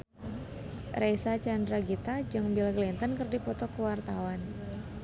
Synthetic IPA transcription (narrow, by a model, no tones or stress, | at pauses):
rejsat͡ʃandɾaɡit̪ad͡ʒɨŋbilɡlint̪ənkɨrdipɔt̪ɔkəwart̪awan